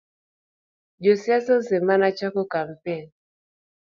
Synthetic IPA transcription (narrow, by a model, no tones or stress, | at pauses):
d͡ʒosiasɔzɛmanat͡ʃakɔkam̩pɛn